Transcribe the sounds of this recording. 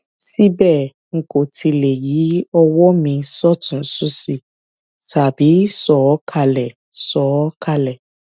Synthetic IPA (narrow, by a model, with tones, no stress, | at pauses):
si˦bɛ˦˨ | ŋ̩˨ko˨ti˧le˨ji˨˦ɔ˧wɔ˦mĩ˧sɔ˦tũ˨˦su˦si˧ | ta˨bi˨˦sɔ˨˦ɔ˦kʰa˧˨lɛ˨ | sɔ˨˦ka˧˨lɛ˨